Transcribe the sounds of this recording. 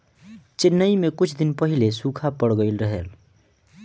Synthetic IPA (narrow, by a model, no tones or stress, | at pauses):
t͡ʃɪnːəimekʊt͡ʃʰd̪ɪnpəɦilesukʰapəɽɡəɪlɾəɦel